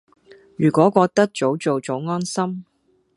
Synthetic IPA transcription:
jyː˨˩kʷɔː˨˥kʷɔː˧k̚t̪ɐ˥k̚t͡so˨˥wt͡so˨˧wt͡so˨˥wŋɔː˥nsɐ˥m

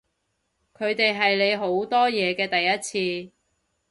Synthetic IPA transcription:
kʰɵ˨˧ɥt̪e˨jɦɐ˨jle˨˧jɦo˨˥wt̪ɔː˥jɛː˨˧kɛː˧t̪ɐ˨jːɐ˥t̚t͡sʰiː˧

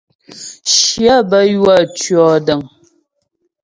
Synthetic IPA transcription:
ʃja˦bə˦jwa˦˨t͡ʃɥɔ˨də˨ŋ

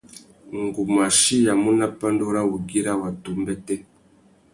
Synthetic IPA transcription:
ŋɡu˨ma˨ʃi˦ja˨mu˦na˦pa˦ndo˦ɾa˦wu˨ɡi˦ɾa˦˨wa˨tu˨mbɛ˦tɛ˦

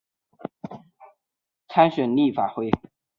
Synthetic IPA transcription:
t͡sʰa˥nɕɥɛ˨˩nli˥˩fa˨˩xwe˥ɪ

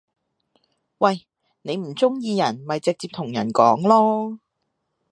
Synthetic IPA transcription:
wɐ˨j | ne˨˧jm̩˨˩t͡sʊ˥ŋjiː˧jɐ˨˩nmɐ˨jt͡sɪ˨k̚t͡siː˧p̚t̪ʰʊ˨˩ŋjɐ˨˩nkɔː˨˥ŋlɔː˥

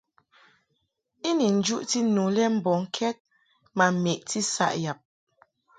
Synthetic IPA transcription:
i˦ni˨n̩˨d͡ʒu˦ʔti˦nu˨lɛ˦m̩˨bɔ˨ŋ̩˨kʰɛ˦t̚ | ma˨me˨ʔti˦sa̰˦ʔja˨p̚

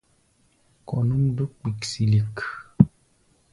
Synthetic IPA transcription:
kɔ˨nu˦md̪o˦k͡pi˨ksi˨li˨k

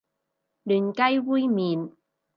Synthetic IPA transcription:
ɗi˨˩nka˧jwu˧˥jmi˨˩n

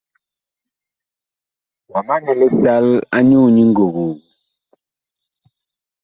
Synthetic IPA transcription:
wa˨ma˦nɛ˨lɛ˦sa˦la˦ɲu˦˨ɲi˦ŋ˦ɡo˨ɣo˨

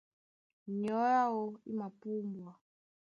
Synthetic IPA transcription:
ɲɔ˨˦ja˦wɔ˦i˦ma˨pu˦mbwa˨

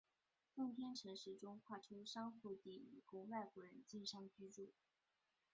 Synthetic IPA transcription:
fʊ˥˩ŋt̪ʰjɛ˥nʈ͡ʂʰɤ˧˥ŋʂɻ̩˧˥ʈ͡ʂʊ˥ŋkʰwa˥˩ʈ͡ʂʰu˥ʂɑ˥ŋxu˥˧t̪i˥˩ḭ˨˩kʊ˥ŋwa˥˩ɪkwɔ˧˥ɻə˧˥nt͡ɕi˥˧nʂɑ˥ŋə˨t͡ɕy˥ʈ͡ʂu˥˩

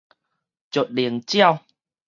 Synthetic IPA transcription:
t͡ɕo˨˩t̚ɗi˨˦ənt͡ɕi˦ə˧˩w

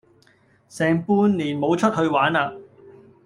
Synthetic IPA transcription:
sɛː˨˩ŋpuː˧nliː˨˩nmo˨˧wt͡ʃʰɵ˥t̚hɵ˧ɥwaː˨˥naː˧

